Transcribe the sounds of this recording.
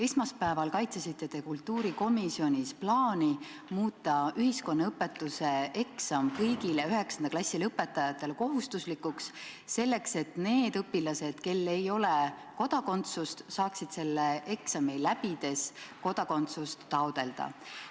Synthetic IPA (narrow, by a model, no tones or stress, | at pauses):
e̞smɑspæevɑlkɑjt̪sesit̪ːet̪e̞kult̪ːˑuːɾiko̞misio̞nʲisplɑːni | muːt̪ːˑɑyɦisko̞nːɑɤpːˑe̞t̪ːˑuse̞e̞ksɑmkɤjɡileyɦe̞ksɑnd̪ɑklɑsʲːilɤpːe̞t̪ːˑɑjɑt̪ːˑe̞lko̞ɦust̪uslikːuksse̞lːe̞kse̞t̪ne̞ːd̪ɤpːilɑse̞d̪̥ke̞lːe̞jo̞leko̞d̪̥ɑko̞nt̪sust̪sɑːksid̪̥se̞lːeʔe̞ksɑmilæb̥id̪̥e̞sko̞d̪̥ɑko̞nt̪sust̪ːɑod̪̥e̞ld̪ɑ̰